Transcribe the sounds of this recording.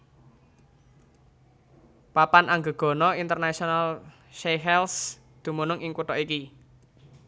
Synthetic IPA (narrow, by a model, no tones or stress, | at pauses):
papanʔaŋɡə̤ɡ̥ɔ̤nɔint̪ərnasional | ʃeɦɛls | d̪̥ṳmunʊŋɪŋkuʈ̪ɔʔiki